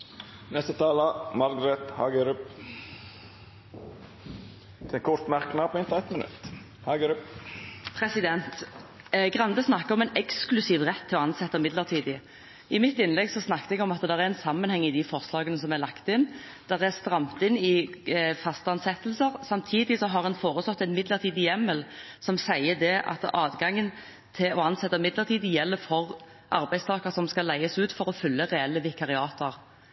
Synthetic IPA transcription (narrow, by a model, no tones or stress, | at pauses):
nɛst̪ət̪ʰɑːləmɑɾɡɾɛt̪hɑːɡəɾɪp | ɛkʰɔɾt̪mæɾknɑːpʰɪnt̪ɛt̪mənʉ̰t̪ː | hɑɡəɾppʰɾɛsɪd̪ɛnt̪ | ɡʁɑnd̪əsnɑkːəɔmɛnɛksklʉsiːʋʁɛt̪ʰːɪlɔɑnsɛt̪ːəmɪd̪ləʁt̪ʰiːd̪ɪ | ɪmɪt̪ːɪnlɛɡsɔsnɑkːt̪əɛɡɔmɑt̪d̪ɛʁɛɛnsɑmːənhɛŋːɪd̪ifɔʁslɑːɡənəsɔmɛlɑkt̪ɪnː | d̪̥ɛʁæɾst̪ɾɑmt̪ɪnːɪfɑst̪ɑnsɛt̪ːəlsəɾsɑmt̪ʰiːd̪ɪsɔɦɑʁɛnfoːʁəslɔt̪ːæɪnmɪd̪ləʁt̪ʰiːd̪ɪjɛməlsɔmsæɪəd̪ɛʔɑ̰t̪ɑːd̪ɡɑŋːən | t̪ʰɪlɔɑnsɛt̪ːəmɪd̪ləʁt̪iːd̪əjɛlːəfɔʁ | ʔɑɾbæɪst̪ʰɑːkəɾsɔmskɑlæɪəsʉːt̪fɔɾɔfʏlːəɾɛɛlːəʋɪkʰɑʁɪɑːt̪əɾ